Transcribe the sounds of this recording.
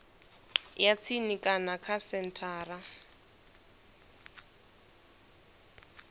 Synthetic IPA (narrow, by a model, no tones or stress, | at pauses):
jat͡sʰinikʼanakʰasɛn̩tʰaːra